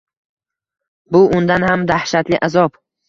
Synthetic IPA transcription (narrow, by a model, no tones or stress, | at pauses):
bʊʔʊnd̪anhamd̪ahʃat̪lɪʔazɒp